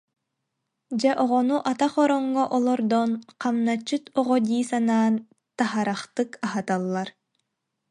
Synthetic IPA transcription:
d͡ʑɛʔɔʁɔnuʔat̪aχɔɾɔŋːɔʔɔlˠɔɾd̪ɔnqamnat͡ʃːɯt̪ɔʁɔd̪iːsanaːn | t̪aɦaɾaχt̪ɯkaɦat̪alˠːaɾ

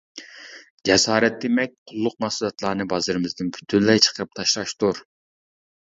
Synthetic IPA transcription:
d͡ʒɛsɑːɾɛt̪̚d̪emɛk̚ʲqʰʊlˠːʊq̚mɑsulˠɑt̪lˠɑːnɨbɑzɨɾɨmɪzd̪ɪnbʰy̥t̪ʰynlɛjt͡ʃʰə̥qʰəɾɨp̚t̪ʰɑʃlˠɑʃt̪uɾ

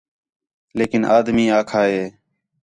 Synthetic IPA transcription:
leːkɪnʔaːd̪miːaːkʰaːɦeː

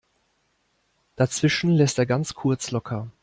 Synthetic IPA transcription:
d̥at͡sv̥ɪʃn̩lɛsteːɐɡant͡skʰʊɐt͡slɔkʰɐ

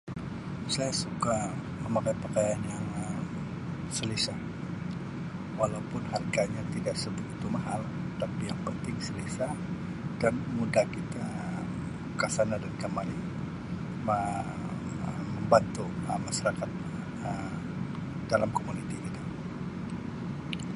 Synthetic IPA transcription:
sajasuka | məmakajpəkajanjaŋəm | səlisah | walaupʊnharɡaɲat̪idaʔsəbʊt̪it̪umaɦal | ət̪apijaŋpənt̪ɪŋsəlisa | d̥anmudahkit̪a | kasanadankəmalɪn | mə | məmbant̪uəmːaʃaɾakat̪̚ | əm | d̥alamkomunit̪ikit̪a

